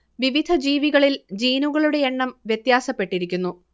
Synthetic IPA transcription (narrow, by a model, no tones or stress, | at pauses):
ʋiʋid̪ʱɐd͡ʑiːʋiɣɐɭild͡ʑiːnuɣɐɭuɽe̞eɳːɐmʋjet̪jaːsɐpːe̞ʈːiɾikʲːunːu